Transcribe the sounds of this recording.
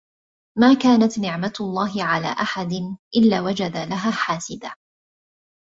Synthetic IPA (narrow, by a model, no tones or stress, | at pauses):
maːkaːnat̪nɪʕmalˤːɑːɦɪʕala̰ːʔaħad̪ɪnʔɪlːaːwad͡ʒad̪alaɦaːħaːsɪd̪aː